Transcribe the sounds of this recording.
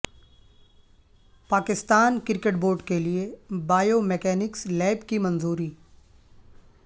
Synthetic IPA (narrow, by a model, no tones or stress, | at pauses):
paːkɪst̪aːnkɪɾkeʈboːɾɖkeliebaːjomɛkɛːnɪkslɛːɪbkimɐ̃nzuːɾiː